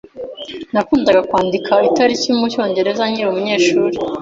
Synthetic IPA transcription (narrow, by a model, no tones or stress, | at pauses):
nakuːndaɡakwaːndikʰaitaɾiciumuco̞ːɲɟe̞ɾe̞zaɲiɾumuɲe̞ːʃuːɾe